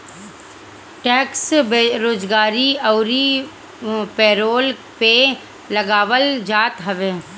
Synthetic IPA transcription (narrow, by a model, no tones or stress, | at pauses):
ʈɛːkseɾoːd͡ʒɡaːɾiɐʊɾi | pɛːɾoːlpe | lɐɡaːʋəld͡ʒaːt̪ɦɐʋeː